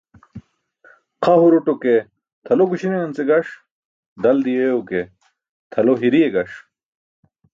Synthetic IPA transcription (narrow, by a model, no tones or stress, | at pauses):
qʰɐɦuɾoʈoke | t̪ʰɐloɡuɕineɐnt͡seɡɐʂ | d̪ɐld̪ijeuke | t̪ʰɐloɦiɾieɡɐʂ